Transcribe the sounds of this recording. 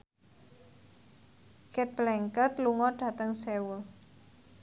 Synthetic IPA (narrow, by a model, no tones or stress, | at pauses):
kɛt̪̚blɛŋkət̪luŋɔɖ̥ä̤t̪əŋsewʊl